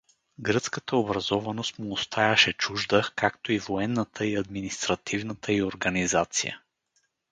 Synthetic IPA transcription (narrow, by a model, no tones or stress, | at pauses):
ɡɾɤt̪skət̪əobɾɐzɔvɐnost̪muːst̪ʰajɐʃɛt͡ʃuʒd̪əkakt̪oivoɛnːət̪ʰəiɐd̪minist̪ɾɐt̪ivnət̪ʰəioɾɡɐnizat̪sḭjə̰